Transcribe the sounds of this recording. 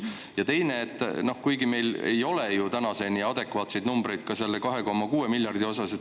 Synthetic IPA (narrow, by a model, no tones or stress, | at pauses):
jɑt̪e̞jne̞ːt̪ːˑno̞hkujɡime̞jle̞̰jo̞lejut̪ænɑse̞niɑd̪e̞kvɑːt̪sejd̪numbɾejd̪̥̚kɑselːekɑɦe̞ko̞mːɑkuːemiljɑrd̪io̞sɑset̪